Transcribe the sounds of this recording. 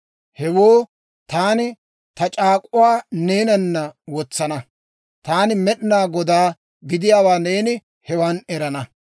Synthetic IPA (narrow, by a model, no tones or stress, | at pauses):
hɛwoː | t̪aːnɪ | t̪ɐt͡ʃʼaːkʼʊwaːneːnɐnːɐwɔt͡sːɐnɐ | t̪aːnɪmɛɗɪnaːɡɔd̪aː | ɡɪd̪ɪjaːwaːne̞ːnɪ | hɛwɐnɛɾɐnɐ